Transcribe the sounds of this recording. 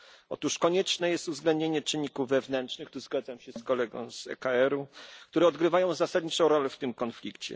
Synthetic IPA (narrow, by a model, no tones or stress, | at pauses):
ɔ̰t̪uʂkɔɲɛt͡ʂnɛjɛst̪uvzɡlɛnd̪̚ɲeɲɛt͡ʂɘɲːikuvːɛvnɛntʂnɘxt̪uzɡad̪zamɕɛskɔlɛɡɔ̰̃w̃z̥ɛ̰kaɛɾukt̪uɾɛɔd̪ɡɾɘvajɔ̃w̃zasad̪̚ʲɲit͡ʂɔ̃w̃ɾɔlɛft̪ɘmkɔnflʲikt͡ɕɛ̰